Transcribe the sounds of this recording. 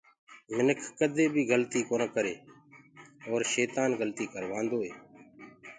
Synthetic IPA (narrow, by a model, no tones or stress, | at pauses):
mɪnəkʰkəd̪ʱeːbʱiːɡəlt̪iːkoːnkəɾeː | oːɾʃeːt̪aːnɡəlt̪iːkəɾʋãːnd̪oːɦeː